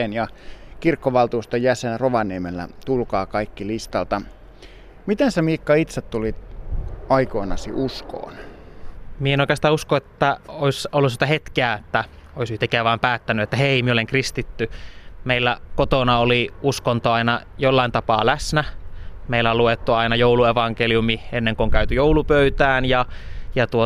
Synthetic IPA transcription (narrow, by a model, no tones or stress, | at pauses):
enjɑkirkːoʋɑlt̪uːst̪ojæsenroʋɑniemelːæ̰t̪ulkɑːkɑikːilist̪ɑlt̪ɑ | mit̪ensemiːkːɑit̪set̪t̪ulit̪ | ɑikoːnɑ̰sḭʔusko̰ːn | mienoikˑeɑst̪ɑːuskoet̪ːæoisolːusit̪æhet̪keæet̪ːæ | oisyht̪ekːˑeæʋɑːmpæːt̪ːænyet̪ːæheimieoleŋkrist̪it̪ːymeilːækot̪onɑoliuskont̪oɑinɑ | jolːɑint̪ɑpɑːlæsnæmeilːæoluet̪ːuɑinɑjoulueʋɑŋkeliumienːeŋkooŋkæyt̪yjowlupøyt̪æːnjɑjɑt̪uo